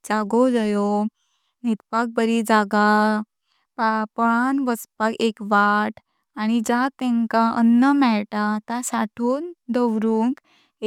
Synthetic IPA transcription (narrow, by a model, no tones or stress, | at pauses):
d͡zaɡod͡zajo | nit̪pak̚bəɾid͡zaɡa | papəɭanʋəspakekʋaʈ | aɽ̃id͡ʑat̪ɛ̃ŋkãʔənːəmɛɭʈat̪asaʈʰuːnd̪əʋɾuːŋk